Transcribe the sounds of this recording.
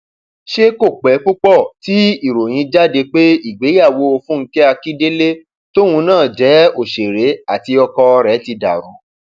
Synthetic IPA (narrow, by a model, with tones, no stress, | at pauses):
ʃe˦ko˦˨k͡pɛ˨˦k͡pu˦k͡pɔ˦˨ti˦i˦˨ɾo˨j̃ĩ˧d͡ʒa˦de˧k͡pe˦i˦˨ɡ͡be˨˦a˦˨wo˧˦o˧fũ˦ŋ̩˦kɛ˦a˧ki˦de˦le˦ | to˦wũ˧nãː˦˨d͡ʒɛ˨˦o˦˨ʃe˨ɾe˨˦a˦˨ti˧ɔ˧kɔ˧ɾɛ˨˦ti˧da̰˨ɾ̃ũ˨˦